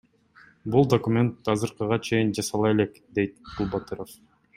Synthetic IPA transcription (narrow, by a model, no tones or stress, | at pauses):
bulˠd̪okumʲe̞nt̪ːɑzɯɾqɯʁɑt͡ʃʰe̞jind͡ʒɑsɑlˠɑe̞le̞kd̪e̞jt̪̚bulˠbat̪ɯɾof